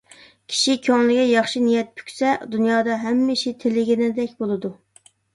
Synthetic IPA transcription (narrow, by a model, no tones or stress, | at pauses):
kʲʰi̥ʃikʲʰøŋlɪɡʲɛjɑχʃinijɛt̪̚pʰy̥kʲsɛd̪unjɑːd̪ɑɦɛmːɪʃit̪ʰelɪɡʲinɪd̪ɛkʲbolˠɨd̪u